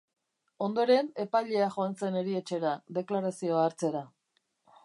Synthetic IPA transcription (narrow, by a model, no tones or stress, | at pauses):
o̞nd̪o̞ɾe̞ne̞pajʎe̞aʝo̞anse̞ne̞ɾie̞t͡ʃe̞ɾaðe̞klaɾasio̞aːɾt͡se̞ɾa